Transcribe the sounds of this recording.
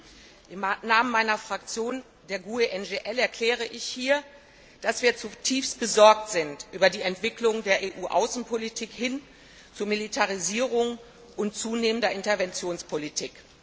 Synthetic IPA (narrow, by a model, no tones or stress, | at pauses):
ʔɪmnaːmənmaɪnɐfʁ̥akt͡sjoːn | deːɐɡueʔɛnɡeʔɛlɛɐkʰl̥ɛːʁ̞əʔɪçhiːɐ | d̥asv̥iːɐt͡sutʰiːfst̚b̥əzɔɐk̚tz̥ɪntʔyːbɐdiːɛntv̥ɪklʊŋdeːɐʔeːʔuːʔa̰ʊsn̩pʰolitʰiːkhɪn | t͡sumilitʰaʁiziːʁ̞ʊŋ | ʔʊnt͡suːneːməndɐʔɪntɛɐvɛnt͡sjoːnspʰolitʰiːk